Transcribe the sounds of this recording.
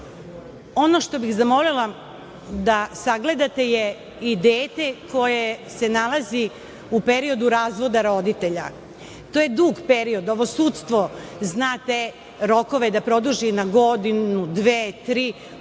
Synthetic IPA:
o̞no̞ʃt̪o̞bixzamo̞lila | d̪asaɡle̞d̪at̪e̞je | id̪eːt̪e̞ko̞jesenalˠazi | upeɾio̞d̪uɾaːzʋo̞d̪aɾo̞d̪it̪e̞ʎa̰ | t̪o̞jed̪uːɡpeɾio̞d̪o̞ʋosuːt̪st̪ʋo̞znaːt̪e | ɾo̞ko̞ʋe̞d̪apɾo̞d̪uʒinaɡo̞d̪inud̪ʋeːt̪ɾiː

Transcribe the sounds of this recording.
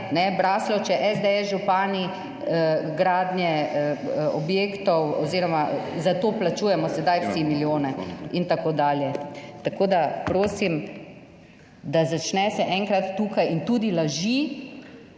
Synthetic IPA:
nɛbɾaːslɔt͡ʃɛʔɛzd̪eɛsʒupaːni | əɡɾaːd̪njɛ | ɔbjeːkt̪ɔwɔziːɾɔmazat̪oːplat͡ʃuːjɛmɔsɛd̪ajfsimiljoːnɛint̪akod̪aːljɛt̪akoːd̪apɾoːsim | d̪azat͡ʃnɛsɛʔɛŋkɾat̪ːuːkajint̪uːd̪ilaʒi

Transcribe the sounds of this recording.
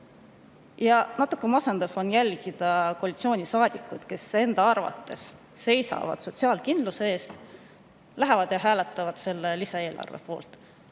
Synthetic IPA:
jɑnɑt̪ːˑukˑːe̞mɑsend̪ɑfo̞njælʲɡ̥id̪̥ɑkoɑlʲit̪sio̞ːnʲisɑːd̪̥ʲikːˑut̪ke̞se̞nd̪̥ɑɑrvɑ̰t̪ːe̞sː | e̞jsɑ̰vɑ̰d̪̥so̞t̪siɑːlkind̪lusee̞ːst̪ | læɦevɑd̪̥jɑɦæːlɛt̪ˑːɑvɑd̪̥se̞lːelisɑe̞ːlʔɑ̰rvḛpo̞̰ːlt̪ˑ

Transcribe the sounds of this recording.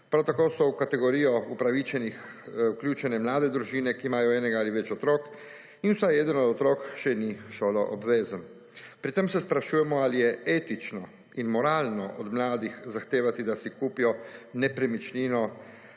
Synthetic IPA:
pɾawt̪akoːsɔwkat̪ɛɡɔɾiːjɔupɾaʋit͡ʃɛnix | wkljuːt͡ʃɛnɛmlaːd̪ɛd̪ɾuʒiːnɛkiːmaːjɔɛːnɛɡaaliʋɛt͡ʃɔt̪ɾoːk | inwsajɛd̪ənɔd̪ɔt̪ɾoːkʃɛniʃoːlɔʔɔbʋeːzən | pɾit̪emsɛspɾaʃuːjɛmɔalijɛeːt̪it͡ʃnɔ | inmɔɾaːlnɔʔɔd̪mlaːd̪ixzaxt̪eːʋat̪id̪asikuːpijɔnɛpɾɛmit͡ʃliːnɔ

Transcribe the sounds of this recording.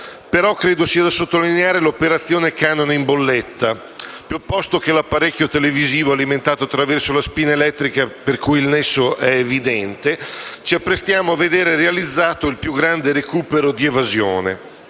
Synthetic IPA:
peɾɔkːɾeːd̪osiːad̪asot̪ːolineaːɾelopeɾat̪sːjoːnekanoneimbolːɛt̪ːa | pjopːɔst̪ok̟elapːaɾekːjot̪eleviziːvoaliment̪aːt̪oat̪ːɾavɛrsolaspiːnaelɛt̪ːɾikaperkujilnɛsːoʔɛːvid̪ɛnt̪et͡ʃiapːɾest̪jaːmoavːed̪eːɾerealid̪zːaːt̪oilpjuɡɾand̪eɾekuːpeɾod̪ievazjo̰ːnḛ

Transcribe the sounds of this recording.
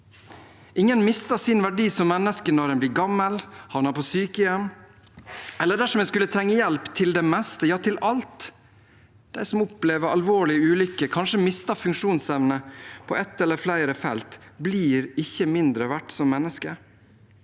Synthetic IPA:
ʔɪŋːənmɪst̪ɑsɪnʋæɖiːsɔmmɛnːəskənɔɾɛnbliːɾɡɑmːəlhɑʋnɑpʰɔsyːkəjɛmː | ɛlːəɖæʂɔmɛskʉlːət̪ʰɾɛŋːəjɛlpt̪ʰɪld̪ɛmɛst̪əjɑːt̪ʰɪlʔɑlt̪ | d̪̥æɪsɔmʊpleːʋəɾɑ̰lʋoːɭɪəʉːlʏkːəkʰɑnʂəmɪst̪ɑfʉŋkʂuːnsɛʋnəpʰoːʔɛt̪ːɛlːəflæɪɾəfɛ̰lt̪bliːɾɪçːəmɪnd̪ɾəʋæʈːsɔmːɛnːəskə

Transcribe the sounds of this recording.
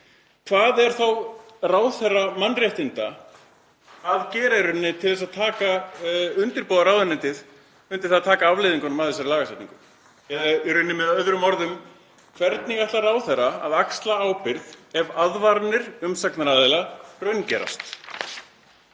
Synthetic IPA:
kʰvaːðɛɾ̥θaw | raːwθɛrːamanrjɛht̪ɪnt̪a | aðcɛːɾaɾʏnːɪt̪ʰɪlθɛsaðt̪ʰaːkaʏnt̪ɪɾpoːðaɾaːwðʏnɪnt̪ɪð | ʏnt̪ɪ̥ɾ̥at̪ʰaːkaavlɪːðiŋkanmaðɛsaɾlaːɣasɛjt̪nḭŋkʏm | ɛirʏnːɪmɛðœðɾʏmɔɾðʏm | kʰvɛɾt̪niɣaht̪laɾaːwθɛraaðakst̪laawpɪɾðɛvaðvaɾnɪɾ̥ʏmsaknaɾaðɪlarœɥncɛ̰ɾa̰st̪

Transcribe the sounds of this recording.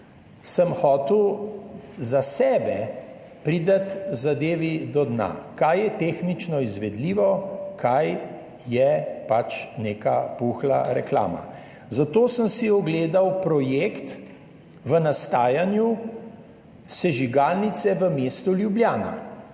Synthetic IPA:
səmxɔːt̪ɛw | zasɛːbɛ | pɾid̪at̪zad̪eːʋid̪ɔd̪na̰kajjɛt̪exnit͡ʃnɔizʋɛd̪liːʋɔkʰajː | ɛpat͡ʃneːkapuxla̰ɾɛkla̰ːma̰ | zat̪oːsəmsiɔɡleːd̪awpɾɔjeːkt̪ | ʋənast̪aːjanju | sɛʒiɡalnit̪sɛʋəmeːst̪uljubljaːna̰

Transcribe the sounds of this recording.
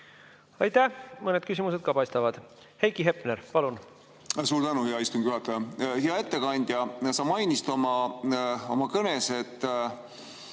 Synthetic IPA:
ɑjt̪æhmɤned̪̚kysʲimus̬e̞d̪̥̚kɑpɑjst̪ɑvɑd̪̥ | hejkiɦe̞pneɾpɑlun | suːɾd̪ænuheɑist̪umŋɡ̥jyhɑt̪ːˑɑjɑheɑe̞t̪ːe̞kɑnʲd̪̥ʲjɑsɑmɑjnist̪o̞mɑ | o̞mɑkɤnese̞t̪ːˑ

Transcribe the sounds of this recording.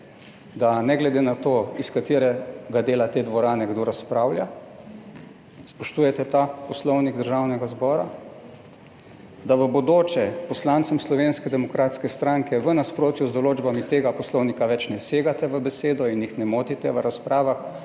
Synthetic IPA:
d̪anɛɡlɛd̪enat̪oːiskat̪eːɾɛɡad̪eːlat̪eːd̪ʋɔɾaːnɛɡd̪oɾaspɾaːwlja | spɔʃt̪ujɛt̪ɛt̪apɔslɔwniɡd̪əɾʒawnɛɡazbɔːɾa | d̪aʋəbod̪oːt͡ʃɛpɔslaːnt̪sɛmslɔʋeːnskɛd̪ɛmɔkɾaːt̪skɛst̪ɾaŋkɛʋənaspɾoːt̪juzd̪ɔloːd͡ʒbamit̪eːɡapɔslɔwnikaʋɛt͡ʃnɛseːɡat̪ɛʋəbɛseːd̪ɔinjixnɛmoːt̪it̪ɛʋəɾaspɾaːʋax

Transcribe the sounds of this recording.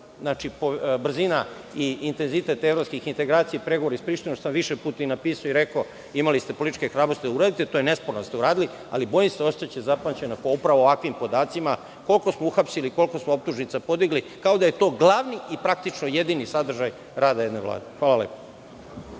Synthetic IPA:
znat͡ʃipobr̩zina | iːnt̪e̞nzit̪e̞t̪evɾo̞pskixint̪e̞ɡɾaːt̪sijeipɾeɡoʋoɾaispɾiʃt̪inot̪osamʋiʃepuːt̪ainapiːsajoiɾe̞ko | imalist̪e̞po̞lit̪it͡ʃkexɾaːbɾost̪id̪auɾaːd̪it̪et̪o̞jene̞spoɾnoast̪euɾaːd̪ili | a̰libo̞jimseo̞st̪at͡ɕezapant͡ɕe̞nokaupɾaʋoːʋakʋimpo̞d̪aːt̪sima | ko̞lko̞smouxapsiliko̞lko̞smoop̚t̪uʒnit̪sapo̞d̪iɡli | kaod̪aje̞t̪o̞ːɡlˠaʋniipɾak̚t̪it͡ʃno̞je̞d̪inisad̪r̩ʒaj | ɾaːd̪ajed̪neʋla̰ːd̪exʋaːlalḛpo

